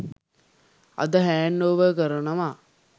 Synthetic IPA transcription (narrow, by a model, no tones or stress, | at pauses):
ɐ̰d̪əɦæːnːoːʋəkəɾənɐʋa